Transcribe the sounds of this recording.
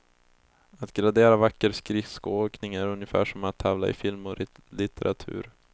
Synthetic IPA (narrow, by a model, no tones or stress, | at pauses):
at̪ɡɾad̪eːɾavakːəɾskɾɪfskoːknɪŋæɾɵnjəfæ̰ːʂɔmat̪ʰːavla̰ɪ̰fɪlmɔɾ | lɪt̪ʰɛɾʔat̪ʰʉ̟ːɾ